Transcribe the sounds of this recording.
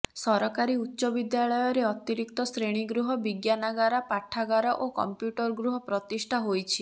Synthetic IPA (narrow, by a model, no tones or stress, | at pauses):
sɔɾɔkaɾiutːʃɔbid̪jaɭɔjɔɾeɔt̪iɾik̚t̪ɔsɾeɽ̃iɡɾuɦɔbiɡjanaɡaɾapaʈʰːaɡaɾɔʔokɔ̰mpjuʈɔɾɡɾuɦɔpɾɔt̪isʈʰaɦojt͡ʃʰi